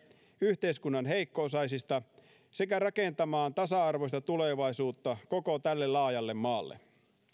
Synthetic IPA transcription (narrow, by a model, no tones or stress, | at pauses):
yht̪eiskunːɑnɦeikːoːsɑjsist̪ɑ | sekærɑkent̪ɑmɑːnt̪ɑsɑɑrʋoist̪ɑt̪uleʋɑisuːt̪ːɑkokot̪ælːelɑːjɑlːemmɑːlːḛ